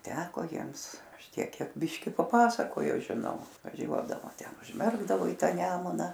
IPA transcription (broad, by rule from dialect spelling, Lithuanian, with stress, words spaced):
ˈtʲæːkoː ˈjiɛms ˈɐʃ ˈtʲiɛk ˈkʲiɛk ˈbʲɪʃʲkʲɪ pɐˈpɑːsɐkoːjoː ʒʲɪˈnɐʊ ʋɐˈʒʲuɔdɐʋoː ˈtʲɛn ʊʒʲˈmʲɛrɡdɐʋoː iː ˈtɑː ˈnʲæːmʊnɐ